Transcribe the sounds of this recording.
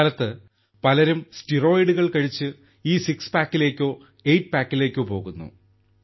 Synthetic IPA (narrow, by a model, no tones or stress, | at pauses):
lɐt̪ːɨ | pɐlɐɾumstiro̞ːjiɖuɣɐɭkɐɻit͡ɕːɨ | iːsikspaːkːile̞ːkʲːo̞ː | ejʈ̚paːkːile̞ːkʲːoːpo̞ːɣunːṵ